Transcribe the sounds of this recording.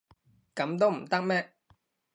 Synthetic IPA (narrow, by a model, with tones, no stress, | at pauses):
kɐ˨˥mt̪̬o˥wm̩˨˩t̪ɐ˥k̚mɛː˥